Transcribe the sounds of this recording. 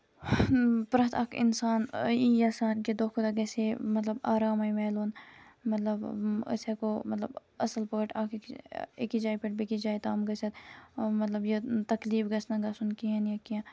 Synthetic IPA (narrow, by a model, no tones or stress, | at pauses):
pɾɐt̪ʰɐ̰kʰɪ̰nsaːnijɐsaːnked̪oːkʰud̪aɡɛːsemɐt̪ləbaːɾaːmaimɛːloːn | mɐt̪ləbɐ̰sekomɐt̪ləbɐsəlpoːʈaːkkekid͡ʒaːipeʈ̚bikid͡ʒaːit̪aːmɡɐset̪mɐt̪lɐbjet̪ɐkliːfɡɐsnɐ̃ɡɐsunkiɐnjɐkiã